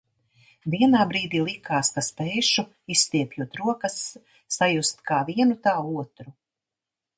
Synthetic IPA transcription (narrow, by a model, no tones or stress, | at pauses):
viɛnaːbɾiːd̪iːlˠikaːskaspɛːʃu | ist̪iɛpjuɔt̪ɾuɔkɐsː | ajust̪kʰaːviɛnut̪aːuɔt̪ɾu